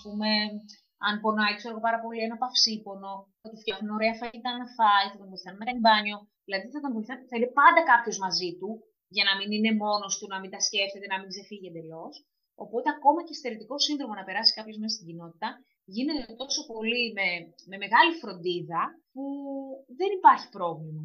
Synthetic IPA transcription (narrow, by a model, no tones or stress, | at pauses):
ɐspume̞ | ɐnpo̞nɐikseɾoɣopɐɾɐpo̞lienɐpɐfsipo̞no̞θɐt̪ufcɐfnuno̞ɾe̞ɐfɐit̪ɐnɐnɐfɐiθɐt̪ovo̞iθɐnɐmekɐimbɐɲo̞ | ðilɐðiθɐt̪onvo̞iθɐnθɐinepɐnd̪ɐkɐpço̞zmɐzit̪u | ʝɐnɐminine̞mo̞no̞st̪unɐmind̪ɐsce̞ft̪e̞t̪e̞nɐmiɡze̞fiʝend̪elo̞s | o̞po̞t̪e̞ɐko̞mɐcest̪eɾit̪iko̞sinðɾo̞monɐpe̞ɾɐsi̥kɐpçomesest̪iɟino̞t̪i̥t̪ɐ | ʝine̞t̪et̪o̞so̞po̞lime̞me̞me̞ɣɐlifɾo̞nd̪iðɐpuðe̞nipɐɾçi̥pɾo̞vlimɐ